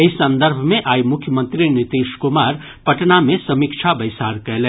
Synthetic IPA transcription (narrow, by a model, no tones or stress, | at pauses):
ɪsːɐ̃nd̪əɾbʱmẽʔaːimʊkʰjəmə̃nt̪ɾinɪt̪iːʃkʊmaːɾ | pɐʈnamẽsɐmikʃʰabɐɪsaːɾkɛɦlɛ̃ː